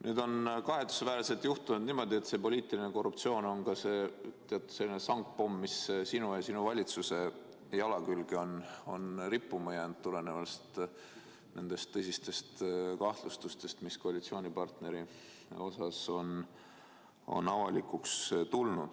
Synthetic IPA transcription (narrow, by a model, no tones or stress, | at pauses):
nʔyːd̪o̞nkɑɦe̞t̪ːˑu̥sevæːɾise̞lt̪juht̪unud̪niːmo̞d̪ie̞t̪se̞po̞lʲiːt̪ˑiline̞ko̞rːupt̪sio̞ːno̞nkɑse̞t̪eɑt̪ːˑu̥se̞lːinesɑŋk̚po̞mːissinujɑsinuvɑlʲit̪suse̞ | jɑlɑkylɡeo̞no̞nripːˑumɑjɑnd̪t̪ːule̞nevɑst̪ | ne̞nd̪̥e̞st̪ːɤsist̪e̞st̪kɑht̪lust̪ust̪e̞st̪misko̞ɑlʲit̪sio̞ːnʲipɑrt̪ne̞ɾi | o̞sɑso̞n | o̞̰nɑvɑlikˑukst̪ulnud̪̥